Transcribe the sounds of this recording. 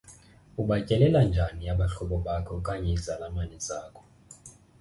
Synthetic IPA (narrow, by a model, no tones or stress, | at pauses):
uɓacʼɛlɛland͡ʒʱaniaɓaɬuɓɔɓakʰɔkʼaɲɛizalamanɛzaːkʰɔ̥